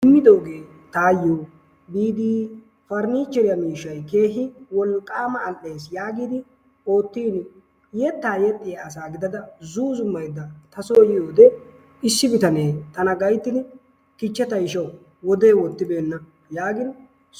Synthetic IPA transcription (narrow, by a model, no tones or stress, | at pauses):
ɪmːɪd̪o̞ːɡe̞ː | t̪aːjːoː | biːd̪iː | fɐɾniːt͡ʃːɛɾɪjɐmiːʃːɐjke̞ːɦɪwɔlkʼːaːmɐːlʔːe̞ːsjaːɡiːd̪ɪ | o̞ːt̪ːiːn | jɛt̪ːaːjɛt̪ʼːɪjaːsaːɡɪd̪ɐd̪ɐzuːzʊmːɐjd̪ɐt̪ɐsoːjɪjoːd̪ɛ | ɪsːɪbɪt̪ɐneːt̪ɐnɐɡɐjt̪ːɪn | kɪt͡ʃːɛt̪ɐjɪʃɐw | wɔd̪eːwɔt̪ːɪbe̞ːnːɐ | jaːɡɪn